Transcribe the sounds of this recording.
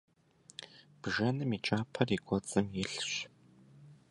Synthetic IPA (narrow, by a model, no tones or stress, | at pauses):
b̥ʒɐnɨmiːt͡ʃʼaːpʰɐrikʷʼɔt͡sʼɨmjɪɬɕ